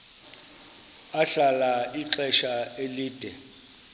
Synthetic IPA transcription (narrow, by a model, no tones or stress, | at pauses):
aɬalaiǃɛʃaeliːd̥ʱɛ